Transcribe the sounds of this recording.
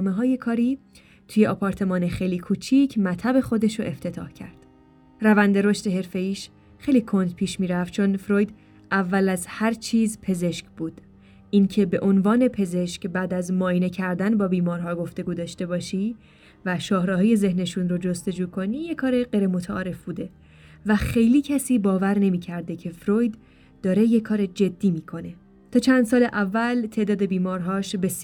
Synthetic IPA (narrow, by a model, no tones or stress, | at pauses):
meɦɒːje̞kʰɒːɾiː | t̪ʰuːjeʔɒːpʰɒɾt̪ʰe̞mɒːnexejliːkʰuːt͡ʃʰicʰmæt̪ʰæbe̞xo̞d̪e̞ʃoʔeft̪ʰe̞t̪ʰɒ̰ːhcʰæ̰ɾd̪̥ | rævænd̪e̞ɾo̞ʃt̪e̞ɦe̞ɾfe̞jiːʃ | χejliːkʰo̞nd̪pʰiːʃmiːɾæft͡ʃʰo̞nfɾoːjd̪ | ʔævːælæzhæɾt͡ʃʰiːzpʰe̞ze̞ʃcbuːd̪̥ | ʔiːncʰe̞be̞ʔo̞nvɒːne̞pʰe̞ze̞ʃcbæːd̪æzmɒːine̞cʰæɾd̪ænbɒːbiːmɒːɾɦɒːɡo̞ft̪e̞ɡuːd̪ɒːʃt̪e̞bɒːʃi | væʃɒːhɾɒɦɒːje̞ze̞hne̞ʃunɾod͡ʒo̞st̪e̞d͡ʒuːkʰo̞niːjekʰɒːɾeɢejɾemot̪ʰæʔɒːɾe̞fbuːd̪e̞ | væxe̞jliːcʰæsiːbɒːvæɾne̞miːcʰæɾd̪e̞cʰe̞fɾoːjd̪ː | ɒːɾe̞jekʰːɒːɾed͡ʒe̞d̪ːiːmiːkʰo̞ne̞ | t̪ʰɒːt͡ʃʰænd̪s̬ɒːleʔævːælt̪ʰeʔd̪ɒːd̪e̞biːmɒːɾɦɒːʃbe̞s